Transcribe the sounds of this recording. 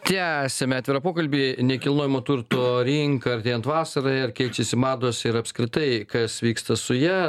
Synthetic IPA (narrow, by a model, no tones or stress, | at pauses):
t̪ʲæsʲɛmʲɛɑːt̪ʲʋʲɪɾɐpoːkɐlʲbʲiːnʲɛkʲɪlˠnoːjɪmoːt̪uɾt̪oːɾʲiŋkɐɐrʲt̪ʲeːjɛnt̪ʋɑːsɐɾɐɪɐrkʲɛɪt͡ʃʲɛsʲɪmɑːd̪oːsɪɾɐpskɾʲɪt̪ɐɪkɐsʋʲiːkst̪ɐsʊjɛ